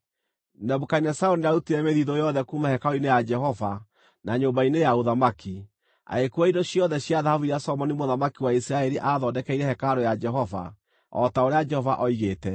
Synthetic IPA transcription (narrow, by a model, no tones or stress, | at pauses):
nɛβokainɛsaoniaɾutiɾɛmeðiðojɔðɛkumahɛkaoinejad͡ʒɛɦɔva | naɲoːmbainejaoðamaki | a̰ekuaidoɕjɔðɛɕjaðahavuiɾasɔmɔnimoðamakiwaisɾaɛɾiʔaðɔdɛkɛiɾɛhɛkaɾojad͡ʒɛɦɔva̰ | ɔ̰taoɾead͡ʒɛhɔvaʔɔiɣeːtɛ